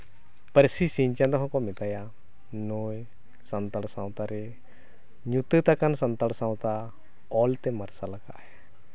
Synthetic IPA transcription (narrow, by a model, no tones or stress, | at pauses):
pəɾsisiɲt͡ʃãd̪ɔɦɔ̃kɔmɛt̪aja | nuj | sɐnt̪əɽsãwt̪aɾɛ | ɲut̪ət̪akansɐnt̪əɽsãwt̪a | ɔlt̪ɛməɾsalaka̰ʔɛ